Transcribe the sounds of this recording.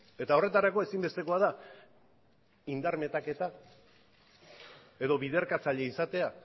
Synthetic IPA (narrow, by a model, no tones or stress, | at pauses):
e̞t̪ao̞re̞t̪aɾako̞e̞simbe̞st̪e̞ko̞aða | ind̪aɾme̞t̪ake̞t̪a | e̞ðo̞βiðe̞ɾkat͡saʎe̞isat̪e̞a